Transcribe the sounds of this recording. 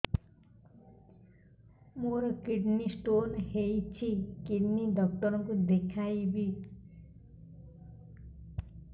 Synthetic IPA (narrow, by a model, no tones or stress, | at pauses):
moɾʌkiɖnisʈonhejt͡sʰikiɖniɖʌk̚ʈʌɾʌkod̪ekʰajbi